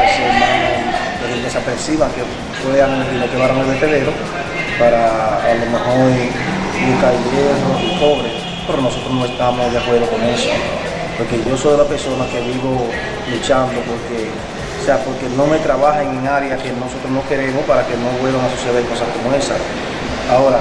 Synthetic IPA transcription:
semãa | lehed̪esapɾesiβake | fweaŋed̪imokeβaɾaŋelβest̪eðe̞ɾo | paɾaːlomehoɾ | ukaileɾosipo̞βɾe | poɾkonosot̪ɾosnoest̪amosðafweɾokoneso | poɾke̞ʝo̞sojlape̞ɾso̞nakeβiβo̞ | lut͡ʃand̪opo̞ɾke | oseapo̞ɾke̞no̞me̞t̪ɾaβaheŋe̞ŋaɾejake̞no̞sot̪ɾonoke̞ɾe̞mospaɾake̞no̞βwe̞lβaŋasuseðeko̞sahko̞moe̞sa | aoɾa

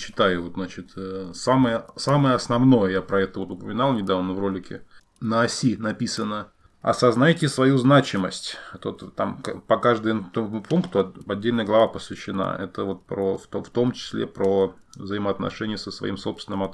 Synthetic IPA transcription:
t͡ɕːɪ̥t̪ajʊvo̞t̪nat͡ɕɪt̪əsaməjəsaməjəɐsnɐvno̞jəjapɾɐɛt̪əvo̞t̪ʊpəmʲɪnalˠnʲɪd̪avnəvro̞lʲɪkʲɪ̰ | nəɐsʲinɐpʲisənə | ɐ̰sɐznajtʲɪsvɐjuznat͡ɕɪməsʲtʲt̪ot̪t̪a̰mkpɐkaʐd̪ɨjt̪omupunkt̪ʊɐɐdʲːelʲnəjəɡlˠɐvapəsvʲɪɕːɪna̰ɛt̪əvo̞t̪̚pɾoft̪oft̪o̞mt͡ɕɪ̥sʲlʲepɾovzəɪməɐt̪nɐ̰ʂɛnʲɪjəsəsvɐ̰ʔḭmso̞pst̪ʲɪnəmɐt̪

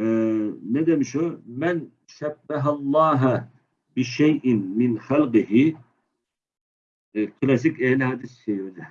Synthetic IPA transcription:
nɛd̪ɛmʃumɛn | ʃɛbːæɦalˠːɑːɦ | bɪʃɛjʔɪnmɪnχælqɨɦɪ | kʰlˠɑs̬ɪkʲɛhlɪɦɑːd̪ɪst͡ʃɛjd̪ɪ

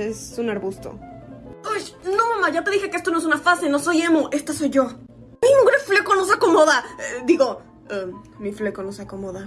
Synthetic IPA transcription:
esunaɾβust̪o̰ | ajno̞mamaʝat̪e̞ðixe̞keest̪onoes̬unafaseno̞so̞je̞moʔe̞st̪aso̞jʝo̞ | mimuxɾfle̞konos̬akomoðaed̪iɣo̞ | miflekonosakomoða

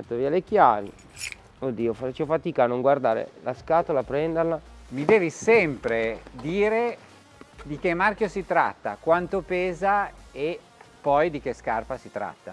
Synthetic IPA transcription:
at̪ːoviːalek̟jaːvi | od̪ːiːofat͡ʃːofat̪iːkaːnːoŋɡward̪aːɾḛlaskaːt̪olapɾɛnd̪erlamid̪eːvisɛmpɾed̪iːɾe | d̪ik̟emːarkjosit̪ɾa̰t̪ːa̰kwant̪opeːzae | pːɔjd̪ik̟eskarpasit̪ɾa̰t̪ːa

